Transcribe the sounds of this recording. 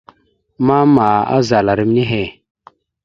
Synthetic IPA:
ma˦ma˨a̰˦za˨la˨ɾi˦m˦ni˦ɦe˨

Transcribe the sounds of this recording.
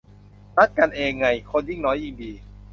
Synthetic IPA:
na˦˥t̪̚ka˧nʔeː˧ŋːa˧˩jkʰo˧nji˦˥˩ŋnɔː˦˥jʔi˧ŋdiː˨˧

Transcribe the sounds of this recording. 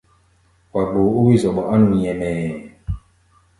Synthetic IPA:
kwa˨ɡ͡bo˨u˦wi˦zɔ˨ɓɔ˨ʔa˦nu˨ɲɛ˨mɛ˨

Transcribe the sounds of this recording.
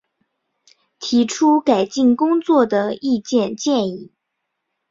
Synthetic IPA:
t̪ʰi˧˥ʈ͡ʂʰu˥ka˨˩ɪt͡ɕi˥˩ŋkʊ˥ŋt͡swɔ˥˩d̪ə˩i˥˧t͡ɕjɛ˥˧nt͡ɕjɛ˥˧ni˥˩

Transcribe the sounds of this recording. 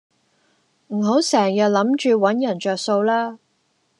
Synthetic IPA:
m̩˨˩ɦo˨˥wsɛː˨˩ŋjɐ˨t̚lɐ˨˥mt͡ʃyː˨˧wɐ˨˥njɐ˨˩nt͡ʃœː˨k̚so˧wlaː˥

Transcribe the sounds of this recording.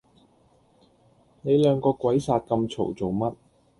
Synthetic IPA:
ne˨˧jlœː˨˧ŋkɔː˧kwɐ˨˥jsaː˧t̚kɐ˧mt͡sʰo̰˨˩wt͡so˨wmɐ˥t̚

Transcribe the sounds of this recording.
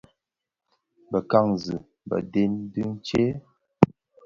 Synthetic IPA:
bə˨ka˦˨ŋzɨ˨ | bə̰˨de˦ndɨ˦n̩˦t͡ʃe˦

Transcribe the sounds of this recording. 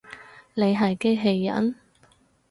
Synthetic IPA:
ne˨˧jɦɐ˨jke˥ɦe˧˥jːɐ̰˨˥n

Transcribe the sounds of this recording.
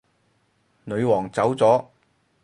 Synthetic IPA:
nɵ˨˧ɥwɔː˨˩ŋt͡sɐ˨˥wt͡sɔː˨˥

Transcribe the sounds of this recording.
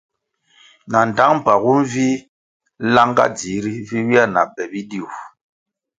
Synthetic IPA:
na˨n˨da˦ŋm̩˦˨pa˨ɣu˦n˦vi˦ | la˦ŋɡa̰˦d͡zi˨˦ɾi˦vi˦wi˦a˦˨na̰˨bɛ˨bi˦di˦u˨

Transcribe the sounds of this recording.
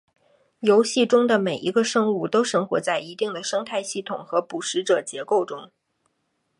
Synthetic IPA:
jo˧˥ʊɕi˥˩ʈ͡ʂʊ˥ŋd̪ə˨me˨˩ɪʔi˧˥ɡə˧ʂɤ˥ŋu˥˩t̪o˥ʊʂɤ˥ŋxwɔ̰˧˥t͡sa˥˩ɪi˧˥t̪i˥˩ŋd̪ə˩ʂɤ˥ŋt̪ʰa˥˧ɪɕi˥˩t̪ʰʊ˨˩ŋxɤ˧˥pu˨˩ʂɻ̩˧˥ʈ͡ʂɤ˨˩t͡ɕjɛ˧˥ko˥˩ʊʈ͡ʂʊ˥ŋ

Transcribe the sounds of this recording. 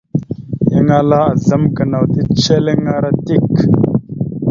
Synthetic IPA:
ji˦ŋa˦la˦a˨zə˦mkə˨na˨wti˦t͡ʃe˦le˦ŋa˦ɾa˦ti˦˨k

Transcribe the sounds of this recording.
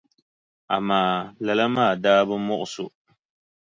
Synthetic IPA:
a̰˨maː˨˦˨lɛ˨la˦maː˦˨daː˦bɨ˦mɔ˦ʔʊ˨sʊ˨

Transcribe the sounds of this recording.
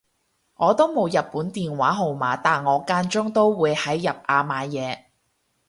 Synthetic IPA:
ŋɔː˨˧t̪o˥wmo˨˧wjɐ˨t̚pːuː˨˥nt̪iː˨nwaː˨˥ɦo˨wmaː˨˧˥t̪aː˨nŋɔː˨˧kaː˧˥nt͡ʃʊ˥ŋt̪o˥wwuː˨˧jhɐ˨˥jːɐ˨p̚ʔaː˨˧maː˨˧jɛː˨˧

